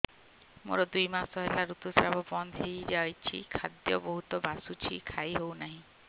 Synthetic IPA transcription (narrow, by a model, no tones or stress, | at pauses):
mo̰ɾɔd̪ujmasɔɦelaɾut̪usɾabʱɔbɔnd̪ʱɦejd͡ʒajt͡ʃʰḭkʰad̪jɔbɔɦut̪ɔbasut͡ʃʰikʰajɦownaɦĩ